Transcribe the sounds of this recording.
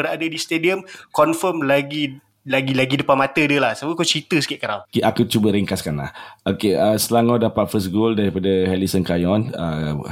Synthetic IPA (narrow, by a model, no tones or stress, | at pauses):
əɾaadədist̪ediəmkɔnfəmlaɡi | laɡilaɡidəpanmat̪ədəlahsabəkut͡ʃit̪əsə̥kɪʔ̚kəɾawkiakut͡ʃubəɾiŋkaskanla̰hʔokeəsəlaŋawdapat̪̚fəs̬ɡoldaɾipadəhɛlisənkajɔnə